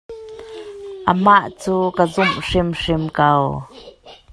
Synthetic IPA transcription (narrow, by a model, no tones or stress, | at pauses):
ʔəmaʔt͡suːkazʊmʂɪmʂɪmkaw